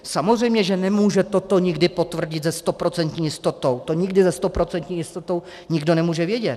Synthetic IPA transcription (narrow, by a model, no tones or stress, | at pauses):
samozr̝ɛjmɲɛʒɛnɛmuːʒɛt̪o̞t̪o̞ɲɪɡdɪpo̞t̪vr̩ɟɪd̪zɛst̪o̞pɾo̞t͡sɛnt̪ɲiːjɪst̪o̞t̪o̞wt̪o̞ɲɪɡdɪzɛst̪o̞pɾo̞t͡sɛnt̪ɲiːjɪst̪ot̪o̞w | ɲɪɡdo̞nɛmuːʒɛvjɛɟɛt̪